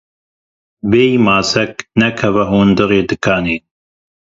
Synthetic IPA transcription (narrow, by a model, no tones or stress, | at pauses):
beːjmaːsɛknɛkʰɛvɛɦuːnd̪ɨɾeːd̪ɨkʰaːneː